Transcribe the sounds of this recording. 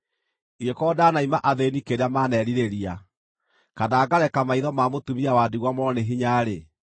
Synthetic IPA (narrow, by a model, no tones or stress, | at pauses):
iekɔdanaimaʔaðenikeɾeamanɛɾiɾeɾia | kanaːɡaɾɛkamaiðɔmaːmotumiawaːdiɣwamɔɾɔneɦiɲaɾe